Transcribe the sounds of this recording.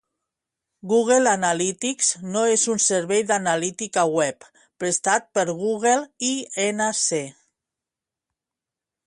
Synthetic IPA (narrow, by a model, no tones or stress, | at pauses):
ɡuɣ̞elanalit̪ikznoezunseɾβɛjðanalit̪ikawɛp | pɾest̪at̪̚pəɾɣ̞uɣelienase